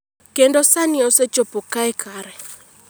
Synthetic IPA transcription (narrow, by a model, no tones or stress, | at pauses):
kendosanɪɔset͡ʃopokaɛkʰaɾɛ